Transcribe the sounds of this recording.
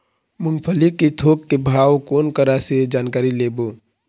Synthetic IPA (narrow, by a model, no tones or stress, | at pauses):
mʊnpʰəlikːit̪ʰoːkːebʱaːwkoːnkəɾased͡ʒaːnkaːɾileːboː